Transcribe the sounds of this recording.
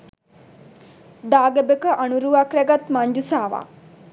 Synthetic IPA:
d̪aːɡebekəʔanuɾuʋakɾɛɡat̪maɲd͡ʒusaːʋa̰ː

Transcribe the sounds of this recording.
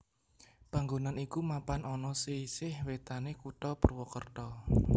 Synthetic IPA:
paŋɡonanikumapanɔnɔsisɪhwet̪anekuʈ̪ɔpərwɔkərt̪ɔ

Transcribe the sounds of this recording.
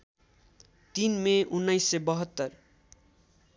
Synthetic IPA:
t̪inmeunːajsːebʌɦʌt̪ːʌr

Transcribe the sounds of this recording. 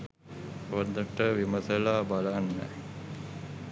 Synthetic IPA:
ʋond̪əʈəʋiməsəlaːbalaːnːɛ̰

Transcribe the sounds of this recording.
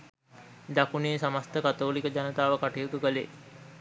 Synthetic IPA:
d̪akuneːsamast̪əkat̪oːlikəd͡ʒanət̪aːʋəkaʈijut̪ukəlḛː

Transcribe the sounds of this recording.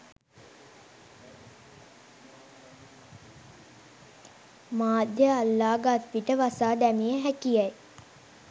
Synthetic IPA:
maːd̪ʱjəːlːaːɡat̪ʋiʈəʋasaːd̪æmijəɦækijɛj

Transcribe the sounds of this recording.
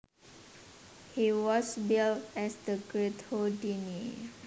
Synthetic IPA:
hiwɔsbiltɛsdəɡɹet̪hodini

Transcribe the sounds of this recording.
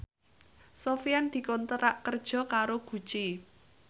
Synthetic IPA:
sofijand̪̥i̤kɔnt̪əɾaʔkərd̥ʒ̥ɔ̤kaɾoɡ̥ṳ̥t͡ʃi

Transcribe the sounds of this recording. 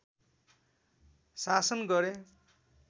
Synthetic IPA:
sasʌnɡʌɾe

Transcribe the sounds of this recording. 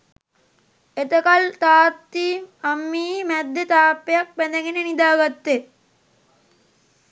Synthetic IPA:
et̪əkalt̪aːt̪ːiːamːiːmæd̪ːet̪aːpːejak̚pæd̪eɡenenid̪aːɡat̪ːe

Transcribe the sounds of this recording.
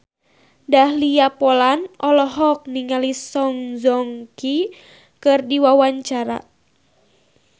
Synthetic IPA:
dahliapɔlanɔlɔɦɔk̚niŋalisɔŋzɔŋki | kɨrdiwawaɲt͡ʃaɾa̰

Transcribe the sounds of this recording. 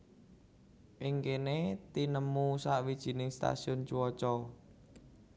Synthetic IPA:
ʔɪŋkenet̪inəmusaʔwid̥ʒ̥i̤nɪŋst̪a̰siʊnt͡ʃuwɔt͡ʃɔ

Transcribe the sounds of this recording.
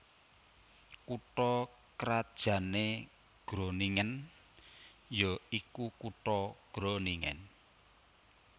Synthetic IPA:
kuʈɔ | kɾad̥ʒ̥ä̤ne | ɡ̥ɾoniŋən | joikukuʈɔɡ̥ɾoniŋɛ̰n

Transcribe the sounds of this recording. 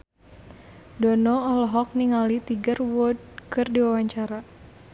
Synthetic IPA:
dɔnɔɔlɔɦɔk̚niŋalit̪iɡərwɔd̚kɨrdiwawaɲt͡ʃaɾa

